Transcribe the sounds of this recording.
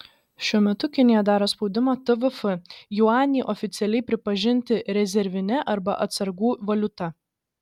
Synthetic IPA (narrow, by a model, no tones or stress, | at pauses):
ʃʲuɔmʲɛt̪ʊkʲɪnʲɪjɛd̪ɑːɾoːspɒʊd̪ʲɪmɑːt̪ɨʋɨfɨjuɑːnʲiːʔɔfʲɪt̪sʲɛlʲɛɪpʲɾʲɪpɐʒʲɪnʲt̪ʲɪɾʲɛzʲɛɾʲʋʲɪnʲɛʔɐɾbɐʔɐt̪sɐɾɡuːʋɐlʲʊt̪ɐ